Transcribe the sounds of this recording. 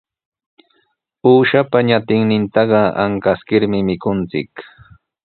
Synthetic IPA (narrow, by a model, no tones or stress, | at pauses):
uːʃapaɲat̪ɪŋnɪnt̪ɑɢɑa̰ŋkaskɪɾmɪmɪkʊnt͡sɪ̰k